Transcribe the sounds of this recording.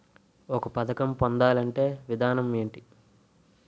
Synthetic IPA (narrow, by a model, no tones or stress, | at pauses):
ɔkɐpɐd̪ɐkɐmpond̪aːlɐɳʈe̞ːʋid̪ʱaːnɐme̞ːɳʈi